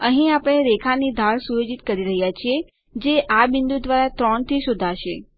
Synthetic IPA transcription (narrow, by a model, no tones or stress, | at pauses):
əɦĩapəɽ̃eɾekʰanid̪ʱaɭsujod͡ʒit̪kəɾiɾəɦjat͡ʃʰie | d͡ʒeʔabɪnd̪ud̪ʋaɾat̪ɾɔɳt̪ʰiʃʊd̪ʱaʃe